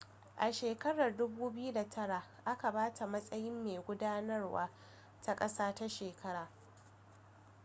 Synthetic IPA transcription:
ʔa˨ʃeː˨kɐ˦ɽɐ˨rdʊ˦buː˦bɪ˦ju˦da˨tʰɐ˦ɽa˨ʔa˦ka˨baː˦tʰa˨mɐ˦sʼɐ˦jɪ˦mːeː˨ɡʷʊ˦daː˦nɐ˦rwa̰ː˦ | ta˦kʼɐ˦saː˦ta˦ʃeː˨kʰɐ˦ɽaː˨

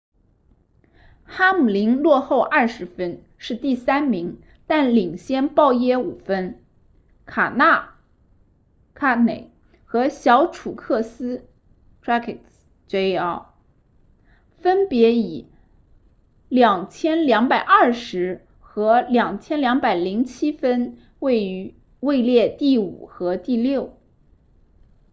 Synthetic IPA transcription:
xa˥mu˨˩li˧˥ŋlwɔ˥˧xo˥˧ʊʔɐ˥˩ʂɻ̩˧˥fə˥n | ʂɻ̩˥˧t̪i˥˩sa˥nmi˧˥ŋ | t̪a˥˩nli˨˩ŋɕjɛ˥npɑ˥˧ʊjɛ˥u˨˩fə˥n | kʰa˨˩na˥˩ | kʰa˥˩ne˨˩˦ɪ | xɤ˧˥ɕjɑ˧˥ʊʈ͡ʂʰu˨˩kʰɤ˥˩sɹ̩˥ | ʈ͡ʂʰɹa˥kʰi˨˩k | t͡ɕe˧˥ɪɑ˥ʊ | fə˥npjɛ˧˥i˨˩˦ | ljɑ˨˩ŋt͡ɕʰjɛ˥nljɑ˧˥ŋpa˨˩ɪʔɐ˞˥˩ʂɻ̩˧˥ | xɤ˧˥ljɑ˨˩ŋt͡ɕʰjɛ˥nljɑ˧˥ŋpa˨˩ɪli˧˥ŋt͡ɕʰi˥fə˥n | we˥˩ɪ˧˥ | we˥˧ɪljɛ˥˧t̪i˥˩ṵ˨˩xɤ˧˥t̪i˥˧ljo˥˩ʊ

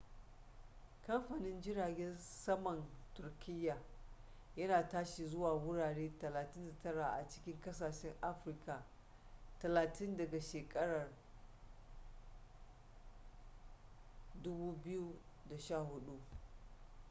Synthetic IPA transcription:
kɐ˦mɸa˨nɪ˦nd͡ʒɪ˦ɾaː˨ɡʲɛ˦nsɐ˦mɐ˨ntʊ˨rkʲɪ˦jːaː˨ | jɐ˦naː˨taː˦ʃi˨zʊ˦waː˨wʊ˦ɽaː˨ɽeː˦tɐ˨laː˨tɪ˦nda˨tɐ˦ɽa˨ʔa̰˨t͡ʃɪ̥˦kʲɪ˦ŋkɐ˦saː˨ʃɛ˦ŋʔa˦ɸɾɪ˦ka˨ | tɐ˨laː˨tʰɪ˦ndɐ˨ɡa˨ʃeː˨kʼɐ˦ɽɐ˨r | dʊ˦buː˦bɪ˦ju˦da˨ʃaː˦˨hʊ˦ɗu˦ʔ

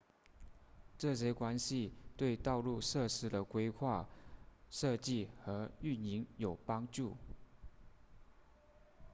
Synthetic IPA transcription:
ʈ͡ʂɤ˥˩ɕ̬jɛ˥kwa˥nɕi˥˧t̪we˥˧ɪt̪ɑ˥˧ʊlu˥˧ʂɤ˥˩ʂɻ̩˥d̪ə˨kwe˥ɪxʰwa˥˩ | ʂɤ˥˧t͡ɕi˥˩xɤ˧˥y˥˩ni˧˥ŋjo˨˩ʊpɑ˥ŋʈ͡ʂu˥˩

